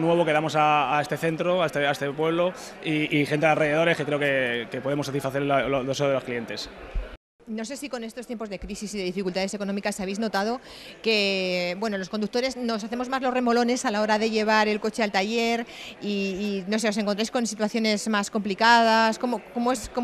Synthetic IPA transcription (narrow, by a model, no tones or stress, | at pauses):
nwe̞βo̞keðamo̞saːe̞st̪e̞θe̞nt̪ɾoaest̪eaest̪epwe̞βlo̞ | iːxe̞nt̪eðalre̞ðeðo̞ɾe̞skekɾe̞okekepoðemosat̪isfaθelolðe̞se̞oðelo̞sklie̞nt̪e̞s | no̞se̞siko̞ne̞st̪o̞st̪jempo̞zðe̞kɾisisiðe̞ðifikult̪aðe̞se̞ko̞no̞mikasaβe̞jzno̞t̪að̞o̞ke̞bwe̞nolo̞skond̪uk̚t̪o̞ɾe̞zno̞s̬aθe̞mo̞zmazlore̞mo̞lo̞ne̞salao̞ɾaðe̞ʝe̞β̞aɾe̞lko̞t͡ʃe̞alt̪aʝe̞ɾiːno̞s̬e̞os̬e̞ŋkont̪ɾajsko̞nsit̪waθjo̞ne̞zmasko̞mplikað̞asko̞mokomoesko